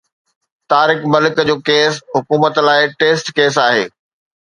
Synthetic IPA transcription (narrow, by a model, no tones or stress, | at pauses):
t̪aːɾɪkmɐlɪkəd͡ʑoːkeːsɦʊkuːmət̪laːɪʈeːsʈkeːs̬aːɦḛː